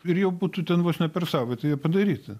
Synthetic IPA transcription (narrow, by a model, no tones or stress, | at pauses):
ɪɾjɛʊbuːt̪ʊt̪ʲɛnʋosnʲɛpʲɛrsɑʊʋʲɛt̪ɐɪjiɛpɐd̪ɐɾʲiːt̪ʲɐ